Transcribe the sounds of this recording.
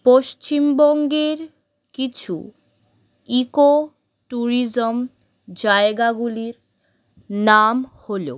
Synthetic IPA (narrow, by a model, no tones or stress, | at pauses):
poʃt͡ɕimbɔŋɡeɾ | kit͡ɕʰṵ | iko | ʈuɾid͡ʑom | d͡ʑaeɡaɡuliɾ | namholo̰